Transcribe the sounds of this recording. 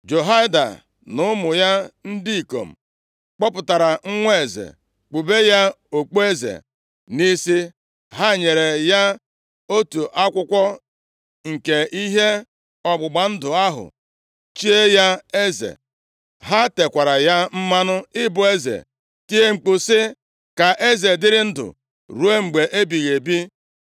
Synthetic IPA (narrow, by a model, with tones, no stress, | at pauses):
d͡ʒo˨ɦa˦ɪ˦da̰˨ | nʊ˦mʊ˨ja˦n̩˦di˦i˨ko̰˨m̩˨ | k͡pɔ˦pʊ˨ta˨ɾa˨ŋ̩˦ŋʷe˦e˨zḛ˨ | k͡pu˨be˦ja˦ | o˨k͡po˦e˦zḛ˨ | ni˦si˦ | ɦa˦˨ɲe˨ɾe˨ja˦ | o˦tu˨ʔa˦kʷʊ˦kʷɔ˦ | ŋ̩˨ke˨i˦ɦe˦ | ɔ˦ɡ͡bʊ˨ɡ͡ba˨n̩˦dʊ˨a˦ɦʊ̰˨ | t͡ʃi˦e˦ja˦e˦zḛ˨ | ɦa˦te˨kʷa˨ɾa˨ja˦m̩˦ma˦nʊ˦ɪ˦bʊ˨e˦zḛ˨ | ki˦e˦ŋ͡m̩˨k͡pu˨sɪ˦ | ka˨ʔe˦ze˨dɪ˦ɾɪ˦n̩˦dʊ̰˨ | ɾu˦e˦ŋ͡m̩˨ɡ͡be˨ʔe˦bi˨ɣe˨bi˦